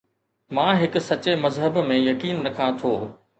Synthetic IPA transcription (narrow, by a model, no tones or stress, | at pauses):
mãːɦɪkʊ̆sɐt͡ɕemɐzɦəbmẽjɐkiːnɾɐkʰãt̪ʰoː